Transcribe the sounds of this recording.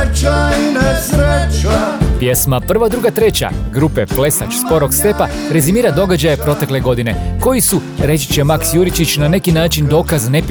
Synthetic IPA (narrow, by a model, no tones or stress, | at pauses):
pje̞smapr̩ʋad̪ɾuɡat̪ɾe̞t͡ɕa̰ɡɾupe̞ple̞sa̰t͡ʃspo̞ɾo̞ɡst̪e̞pa | ɾe̞zimiːɾad̪o̞ɡad͡ʑajepɾo̞t̪e̞kle̞ɡo̞d̪ine̞̰ko̞jisuɾe̞t͡ʃi̥t͡ɕemaksjuɾit͡ʃit͡ɕnane̞kinaːt͡ʃind̪o̞ːkaznep